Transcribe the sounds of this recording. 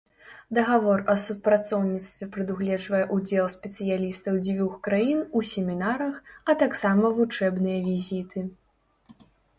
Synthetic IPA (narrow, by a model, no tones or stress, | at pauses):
d̪ɐɣavɔrɐsupɾat̪sɔwnʲit̪st̪vʲɛpɾɨd̪uɣlʲɛd͡ʐvɐjɛʔud͡zʲɛlˠsʲpʲɛt̪sɨjalʲist̪ɐwd͡zʲvʲuxkɾajinusʲɛmʲinaɾɐxɐt̪aksamɐvut͡ʂɛbnɨjɐvʲizʲit̪ʰɨ